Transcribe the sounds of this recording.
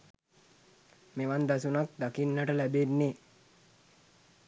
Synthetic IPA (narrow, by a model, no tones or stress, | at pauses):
meʋand̪asunak̚d̪akinːəʈəlæbenːe